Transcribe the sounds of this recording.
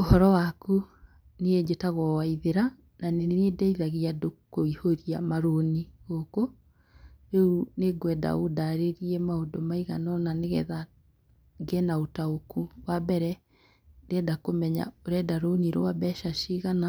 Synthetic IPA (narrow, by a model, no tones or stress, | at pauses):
ohɔɾɔwaku | need͡ʒetaɣɔwaiðeɾa | naneedɛiðaɣiadokoihoɾiamaɾoniɣoko | ɾeuneɡwɛda̰odaɾeɾiɛmaondomaiɣanɔnaneɣɛða | ɡenaotaokuwabɛɾɛ | ndeɛːndakomɛɲa̰oɾɛdaɾoniɾo̰wabɛʃaʃiɣana